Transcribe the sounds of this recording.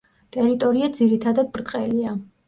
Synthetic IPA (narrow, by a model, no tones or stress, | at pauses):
t̪ʼɛɾit̪ʼɔɾiad̪ziɾit̪ʰad̪ad̪̚bɾt̪ʼqʼɛlia